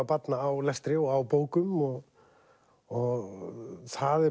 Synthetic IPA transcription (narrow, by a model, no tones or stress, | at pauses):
apat̪naːwlɛst̪ɾɪɔɣawpoːwkʏmɔɣ | ɔɣθaðɛ